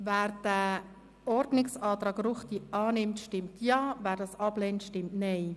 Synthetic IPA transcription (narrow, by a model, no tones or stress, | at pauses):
væːɾd̥ə | ɔɾdnɪksɑːt̪ɾɑːɡruχtiʔɑːnɪmtʃtɪmtʰjɑːvæːɾdɑːsɑb̥lɛːntʃtɪmtnɛɪ